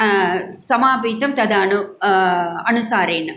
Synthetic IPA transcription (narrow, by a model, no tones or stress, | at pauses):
sɐmaːbiːt̪ɐmt̪ɐd̪ɐnu | ɐnusaːɾeːn